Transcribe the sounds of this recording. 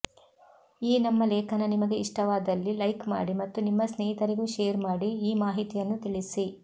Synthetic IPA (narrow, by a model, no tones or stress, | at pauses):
iːnɐmːɐleːkʰɐnɐnimɐɡe̞iʂʈɐʋaːd̪ɐlːilɐjkma̰ːɽimɐt̪ːunimːɐsneːɦit̪ɐɾiɡuʃeːɐɾmaːɽiiːmaːɦit̪ijɐnːut̪iɭisi